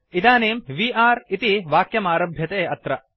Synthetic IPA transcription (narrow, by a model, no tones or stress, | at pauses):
it̪aːneːmʋiːʔaːɾit̪iʋaːkjɐmaːɾɐbʱjɐt̪eːɐt̪ɾɐ